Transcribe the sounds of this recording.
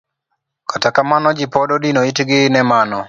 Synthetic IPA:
kʰatakamanɔd͡ʒɪpɔdɔdinoitɡɪnɛmanɔ

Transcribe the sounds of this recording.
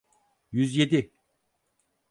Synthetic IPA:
jyzje̞d̪i

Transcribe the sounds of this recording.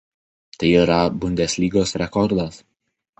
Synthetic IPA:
t̪ɐɪiɾɐbʊnʲd̪ʲɛsʲlʲiːɡoːsɾʲɛkɔɾd̪ɐs

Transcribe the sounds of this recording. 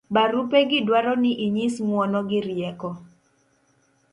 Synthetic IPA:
baɾupeɡɪdwaɾɔnɪʔiɲismwɔnɔɡɪɾjɛkɔ

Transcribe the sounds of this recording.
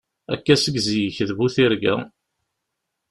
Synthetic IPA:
æ̰kːæsəɡzijəçðbuθiɾɡæ̰

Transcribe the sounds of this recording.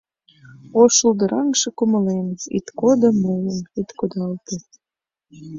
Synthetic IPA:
oʃəld̪əɾɑŋʃĕkumə̆lenḭt̪kod̪əmoləmit̪kod̪ɑlt̪e

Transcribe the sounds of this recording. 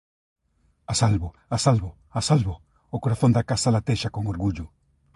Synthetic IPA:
asalβo | asalβʊ | asalβoː | koɾaθõnd̪akasalat̪eʃakoŋoɾɣuʎʊ

